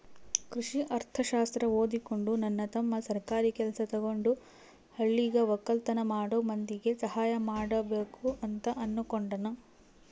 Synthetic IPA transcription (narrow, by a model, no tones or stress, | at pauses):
kɾuʂiʔɐɾt̪ʰɐʃaːst̪ɾɐoːd̪ikoɳɖunɐnːɐt̪ɐmːɐsɐɾkaːɾikɛlɐsɐt̪ɔɡo̞ɳɖu | hɐɭːiɡɐʋɐkːɐlt̪ɐnɐmaːɽoːmɐnd̪iɡe̞sɐhaːjɐmaːɽɐbeːkuʔɐnt̪ɐʔɐnːukoɳɖɐnɐ